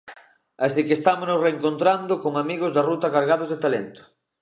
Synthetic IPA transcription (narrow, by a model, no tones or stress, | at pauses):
asikest̪amosnosreːŋkont̪ɾand̪ʊkoŋamiɣ̞ozðarut̪ɐkaɾɣaðʊzðet̪alent̪ʊ̥